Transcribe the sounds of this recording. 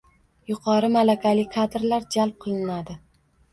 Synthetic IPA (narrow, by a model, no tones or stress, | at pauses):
jʊqʰɑɾɪmalakʲʰalɪkʲkʰad̪ɾlaɾd͡ʒalˠp̚qʰɨlˠɪnad̪ɪ